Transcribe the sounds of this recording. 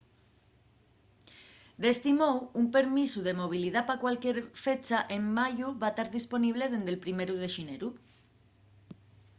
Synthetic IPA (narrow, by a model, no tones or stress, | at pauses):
d̪e̞st̪imowumpe̞ɾmisuðemo̞β̞iliðapakwalkjeɾfe̞t͡ʃaʔemːaʝuβat̪aɾðispo̞niβ̞le̞ð̞e̞nd̪e̞lpɾime̞ɾuð̞eʃineɾu